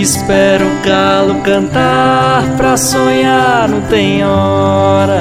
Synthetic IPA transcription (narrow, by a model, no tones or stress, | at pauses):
ispɛɾʊkalʊkɐ̃nt̪aɾpɾɐsoɲaɾnɐ̃t̪ẽj̃ɔɾɐ